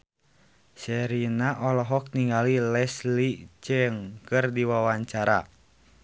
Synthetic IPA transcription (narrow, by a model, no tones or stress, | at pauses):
sɛɾinaʔɔlɔɦɔk̚niŋalilɛslit͡ʃəŋkɨrdiwawaɲt͡ʃaɾa̰